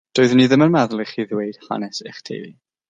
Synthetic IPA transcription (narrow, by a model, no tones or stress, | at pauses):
d̥oːɨðniðəmənmaðlˠiχiːðwejd̥ha̰nɛsḛχtʰḛjvḭ